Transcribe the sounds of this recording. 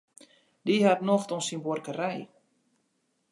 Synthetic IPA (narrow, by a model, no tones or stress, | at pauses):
diɦatnoxtɔnsinborkərɛj